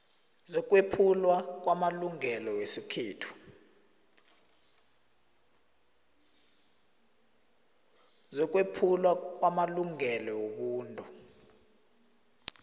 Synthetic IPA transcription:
zɔk̬ʼwepʰulwak̬ʼwamaluŋɛlɔwesikʰiːtʰu̥ | zɔk̬ʼwepʰulwak̬ʼwamaluŋɛlɔwoɓuːntʼu

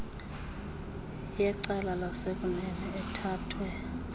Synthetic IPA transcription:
jɛǀɛlalasek̬ʼunɛnɛɛtʰaːtʰwɛ

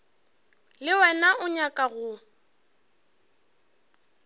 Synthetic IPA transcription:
lɪwɛnaʔʊɲakʼaɣʊ

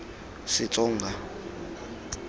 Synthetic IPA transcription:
sit͡sʼɔːŋɡa

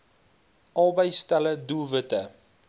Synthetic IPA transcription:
ʔɑlˠbəjstæləduvətə

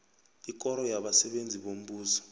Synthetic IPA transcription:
ikʼɔɾɔjaɓasɛɓend͡zʱiɓom̩ɓuːsɔ̥

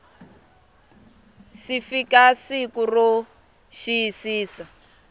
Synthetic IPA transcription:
sifikasikuro | ʃiisiːsa

